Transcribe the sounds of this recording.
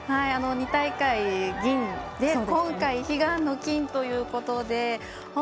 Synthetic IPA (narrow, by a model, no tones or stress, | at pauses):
haiano̞ɲ̟it̪aikaiɡʲĩnd̪̥edkõ̞ŋkaiçiɡãnːo̞kʲĩnt̪o̞jɯ̟ːko̞t̪o̞d̪e̞ | ho